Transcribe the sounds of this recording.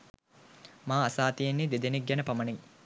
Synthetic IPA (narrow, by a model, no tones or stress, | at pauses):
maːasaːt̪ijenːed̪ed̪enek̚ɡænəpaməni